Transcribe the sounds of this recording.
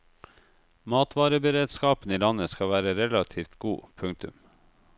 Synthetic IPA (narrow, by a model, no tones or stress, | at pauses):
mɑːt̪ʰʋɑːɾəbəɾeːd̪skɑːpn̩iːlɑnəskɑʋæːɾəɾɛlɑt̪ʰiːft̪ɡuːpʰʉŋt̪ʉ̰m